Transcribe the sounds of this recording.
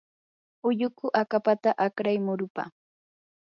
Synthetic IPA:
ʊjʊkʊʔakapat̪aʔakɾajmʊɾʊpa̰

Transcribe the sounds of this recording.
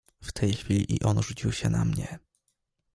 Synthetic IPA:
ft̪ʰɛjxfʲilʲiʔiʔɔnʐut͡ɕiwɕɛna̰mɲɛ

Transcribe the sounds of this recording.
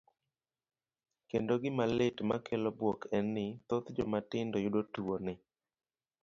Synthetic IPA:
kendoɡɪmalɪtma̰kelobwɔkɛnːɪt̪ot̪d͡ʒɔmatɪndɔjʊdotuonɪ

